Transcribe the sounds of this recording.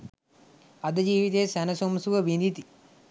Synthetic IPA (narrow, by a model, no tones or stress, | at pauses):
ɐd̪ɐd͡ʒiːʋit̪eːsɛnɐsomsuʋɐʋinit̪i